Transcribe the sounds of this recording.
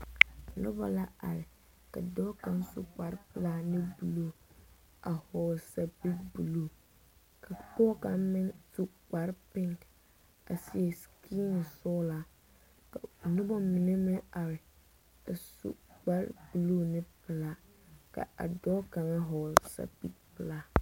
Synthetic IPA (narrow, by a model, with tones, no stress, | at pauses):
nʊ̰˦ba̰˨la˦a̰˨ɾɪ˨ | ka̰˨dɔː˦ka˨˦ŋsṵ˨k͡pa˨˦ɾɪ˦pɪ˨laː˦nɪ˦bu˨luː˦˨ | a˨hɔ˨lsa˨bi˦bu˨luː˦˨ | kʰa˨k͡pɔ˦ka˨˦mɪ˦nsu˨k͡pa˨ɾpɪ˦ŋk | a̰˨si˦e˨skʰi˦nɪ˨sɔː˦laː˨ | ka̰˨nʊ˦bɔ˦mɪ˨ne˦mɪ˦a˨ɾɪ˨ | a˨sṵ˦˨k͡pa˦ɾ̰bu˨lu˦nɪ˦pɪ˨laː˦ | ka̰˨a̰˨dɔ˦ka˨ŋa˦ɦɔ˨lsa̰˨bḭ˦k̚pɪ˨laː˦